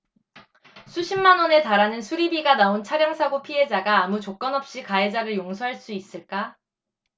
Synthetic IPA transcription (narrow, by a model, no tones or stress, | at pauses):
sʰuɕʰimːanʌne̞taɾanɯnsʰuɾibiɡanaont͡ɕʰaɾjʌŋsʰaɡopʰiɦe̞d͡ʑaɡaːmut͡ɕok͈ʌnʌp̚ɕ͈ikaed͡ʑaɾɯɭjoŋsʰoɦaɭs͈uis͈ɯɭk͈a